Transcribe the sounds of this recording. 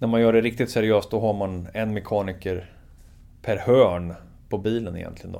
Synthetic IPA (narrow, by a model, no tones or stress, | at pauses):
næɾmanjœːɖɛɾɪk̚t̪ɪt̪sæɾɪøːst̪̚d̪ɔɦaɾmanɛnmɛkʰɑːnɪkəɾ | pʰæɾhœːɳ | pʰɔbiːlənɪ̰jɛ̰nt̪ʰlɪɡənɔ̰